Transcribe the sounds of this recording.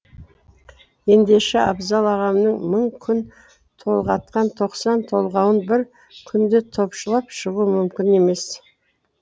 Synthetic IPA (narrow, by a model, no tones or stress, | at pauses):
je̞nd̪e̞ʃɪɑbzɑlˠɑʁɑmnəɴməɴkʲʰʏn | t̪ʰo̞lˠʁɑt̪qɑnt̪ʰo̞qsɑnt̪ʰo̞lˠʁɑwənbɪɾ | kʲʰʏnd̪ɪt̪ʰo̞pʃəlˠɑpʃəʁuəmʏmkʲɪne̞me̞s